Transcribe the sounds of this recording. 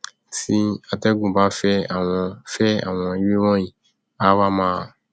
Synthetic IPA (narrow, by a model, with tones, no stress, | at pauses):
ti˦a˨tɛ˦ɡũ˨ba˦fɛ˦a˨w̃ɔ̃˧fɛ˦a̰˨w̃ɔ̃˧i˦we˦wɔ̃˦jĩ˨ | a˦wa˦mãː˦˨